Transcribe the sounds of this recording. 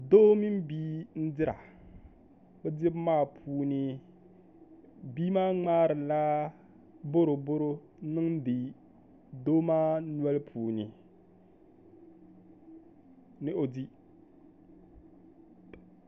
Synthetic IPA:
doː˦mi˦m˦biː˦n̩˦dɪ˦ɾa̰˨ | bɛ˦dɪ˦bmaː˦˨pʰuː˦ni˦ | biː˦maː˦ŋ͡maː˦ɾɪ˨la˦ | bo˦ɾo˨bo˦ɾo˦ | nɨ˦ŋ˦di˨ | doː˦maː˦nwɛ˦lpʰuː˨ni˨ | nɪ˦o˨di˦

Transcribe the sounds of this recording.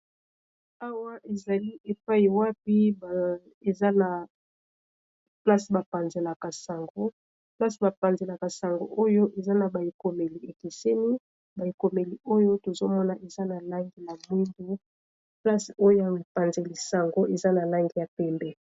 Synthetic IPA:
a˦wa˦ʔe˨za˨li˦ʔe˨pa˦i˨wa˦p̚i˦b | e˨za˦na˨ | pla˦si˨ba˨pa˨nze˨la˨ka˨sa˨ŋɡo˦ | pla˦si˨ba˨pa˨nze˨la˨ka˨sa˨ŋɡo̰˨ʔo˦jo˦ʔe˨za˦na˨ba˨i˨ko˨me˨li˨e˨ke˨se˦ni˦ | ba˨i˨ko˨me˨li˨o˦jo˦to˨zo˦mɔ˦na˨ʔe˨za˦na˨la˦ŋɡi˦ja˨mwi˦ndu˦ | pla˦so˦jo˦ja˨pa˨nze˨li˨sa˨ŋɡo˦ʔe˨za˦na˨la˦ŋɡi˦ja˨pɛ˦mbɛ˦

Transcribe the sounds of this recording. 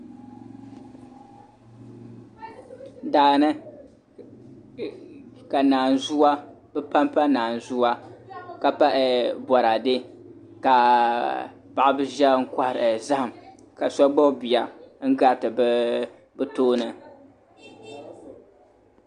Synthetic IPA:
daː˨nɨ˦ | ka˨naː˨n˨zu˦wa˦bɛ˦pa˦mpa˦naː˨n˨zu˦a˦ka˨pa˦ʔɛ˨bɔ˨ɾa˨dɨ˦ | ka˨ | pa˨ʔa˨bɨ˦ʒɛ˦ŋ̩˦kʷa˦hɾza˦ha˨m | ka˨sɔ˦ɡ͡bɔ˦bi˨a˨ŋ̩˦ɡa˦ɾtɨ˨bɨ˦ | bɨ˦toː˦nɨ˨

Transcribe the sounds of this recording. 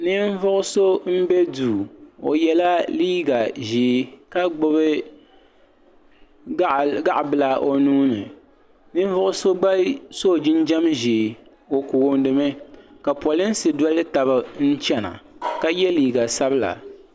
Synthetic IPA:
nɨ˦ɱ˦vʊ˦ʔʊ˦so˦m̩˦bɛ˦duː˨o˨jɛ˦la˦liː˦ɡa˨ʒiː˨˦ka˦ɡ͡bʊ˦bɨ˦ | ɡa˦ʔbɨ˦la˨ʔo˨nuː˦nɨ˨ | nɨ˦ɱ˦vʊ˦ʔʊ˦so˦ɡ͡ba˦so˦˨d͡ʒɪ˦nd͡ʒa˦mʒiː˨ | o˨ku˨ɣo˦n˦dɨ˦mɨ˦ka˨pɔ˨lɪ˦n˦sɨ˨da˦lɨ˦ta˨βa˦n̩˦t͡ʃɛ˦na̰˨ka˦jɛ˦liː˨ɡa˨sa˦bɨ˦la̰˨

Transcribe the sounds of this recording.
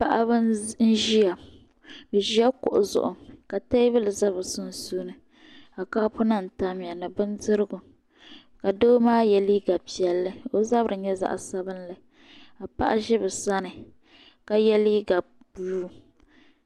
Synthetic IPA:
pa˦ʔa˦bɨ˦n̩˦ʒi˦ja˨ | ʒi˦ɛ˦kʊ̰˨ʔʊ˨zʊ̰˨ʔʊ̰˨ŋka˨ta˦bɪ˦lɨ˨za˦bɨ˨sʊ˦n˨su˦nɨ˨ | a˨ka˦pʊ˦na˨n̩˨ta˦m˨ja˨nɨ˨bɨ˦ndɨ˦ɾɨ˦ɡʊ˨ | ka˨doː˦maː˦jɛ˦li˦ɡa˨pi˨ɛ˨lːɨ˦o˦za˦bɾɨ˨ɲɛ˦za̰˦˨ʔsa˦bɨ˦nla˨ | a˨pa̰˦ʔa˦ʒɪ˦bɨ˨sa˦nɨ˨ | ka˨jɛ˦li˦ɡa˨b | bu˦

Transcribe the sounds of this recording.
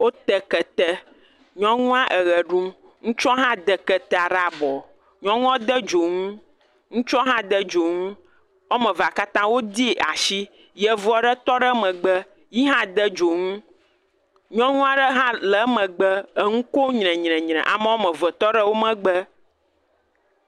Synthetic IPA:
wo˦t̪ɛ˨kɛ˨t̪ɛ˦ | ɲɔ̃˦ŋũ˦ã˦ʔə˨ɣə˨ɖũ˦ | ŋũ˦t͡ʃɔ˦ɦã˦d̪ɛ˨kɛ˨t̪ɛ˦a˨ɖa˨bɔ˨ | ɲɔ̃˦ŋũ˦ɔ̃˦d̪ə˦d͡ʒo˨ŋũ˦ | ŋũ˦t͡ʃɔ˦ɦã˦d̪ə˦d͡ʒo˨ŋũ˦ | o˦mɛ̃˨va˨ka˦t̪ã˦wo˦d̪i˦e˨ʔa̰˨ʃi˦ | jɛ˨vu˦ɔ˨ɖə˦t̪ɔ˦ɖə˦mə̃˨ɡ͡bə˦ | ji˦ɦã˦d̪ə˦d͡ʒo˨ŋũ˦ | ɲɔ̃˦ŋũ˦a˦ɖə˦ɦã˦lə˨˦mə̃˨ɡ͡bə˦ə˨ŋũ˦ko˦ɲnɛ̃˨ɲnɛ̃˨ɲnɛ̰̃˨ʔa˨mə˦wo˦mə̃˨və˨t̪ɔ˦ɖə˦wo˦mə̃˨ɡ͡bə˦

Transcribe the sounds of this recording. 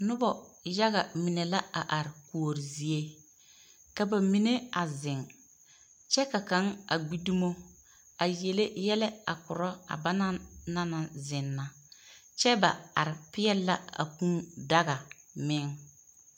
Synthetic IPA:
nʊ˦bɔ˨ja˦ɣa˨mɪ˨nɛ˨la˦a˨ʔa˨ɾɪ˨ku˨o˨ɾi˨zi˦e˦ | ka˨ba˨mi˨ne˦a˨zɪ˨ŋ | t͡ʃɛ˦ka˨ka˨˦ŋa˨ɡ͡bi˦du˦mo˦ | a˨je˨le˦jɛ˦lɛ˦a̰˨kʊ˨ɾɔ˦a̰˨ba˦na˦na˦na˨zɪ˨nːa˨ | t͡ʃɛ˦ba˨a˨ɾɪ˨pɪ˦ɛ˦lːa˦a̰˨kũ˦nda˦ɣa˨ | mɪ˦ŋ

